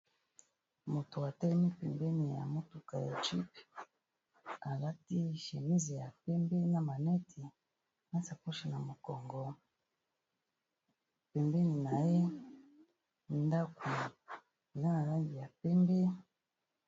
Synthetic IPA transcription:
mo˨to˨a˨tɛ˦lɛ˦mi˦pɛ˨mbɛ˦ni˨ja̰˨mo˦tu˨ka˨ja̰˨t͡ʃi˦p | a˨la˦ti˦ʃe˨mi˦zi˨ja˨pɛ˦mbe˦na˨ma˨nɛ˦tʰi˨ | ma˦sa˨ku˦ʃi˨na˨mo˨kɔ˨ŋɡɔ˨ | pɛ˨mbe˦ni˨na˨je˦ | nda˦ku˨ | i˨za˦na˨la˦ŋɡi˨ja˨pɛ˦mbe˦

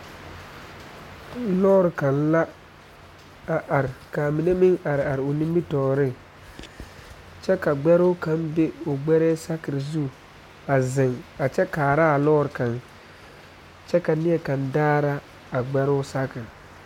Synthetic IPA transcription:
lɔː˦ɾɪ˨ka˨nla˦ | a˨ʔa˨ɾɪ˨ka˨mi˨ne˦mɪ˦ŋa˨ɾɪ˨a˨ɾɪ˨o˨nĩ˦mbi˦tɔː˨ɾɪ˦ŋ | t͡ʃɛ˦ka˨ɡ͡bɛ˦ɾʊ˦ka˨˦mbe˦ʊ˨ɡ͡bɛ˦ɾɛː˦sa˦kɪ˨ɾzu˦ | a˨zɪ˨ŋa˨t͡ʃɛ˦kaː˨ɾa˦a˨lɔː˦ɾɪ˨ka˨ŋ | t͡ʃɛ˦ka˨nɪ˦ɛ˨ka˨ndaː˦ɾa˦ | a˨ɡ͡bɛ˦ɾʊ˦sa˦kɪ˨ɾ

